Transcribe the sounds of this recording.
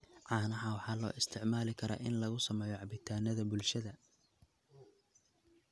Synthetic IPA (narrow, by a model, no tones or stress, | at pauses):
ʕɑːnɐɦɑwɑħɑːlɔ̰ːʔɪst̪ʰɪʕmaːlɪkʰɐɾɐ̰ːʔɪnlɐɣʊsɐmɛːjɔʕɑbɪt̪ʰaːnɐðɐbʊlʃɐðɐ